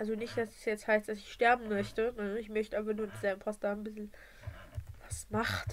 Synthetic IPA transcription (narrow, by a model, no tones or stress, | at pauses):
ʔalzonɪçt̚d̥asɛ̥sjɛt͡sthaɪstd̥asɪçʃtɛɐbm̩mœçtənəɪçmœçtəʔaːbɐnuːɐdiːzɛlbm̩fʰasd̥aːnbɪsl̩ | vasmaχt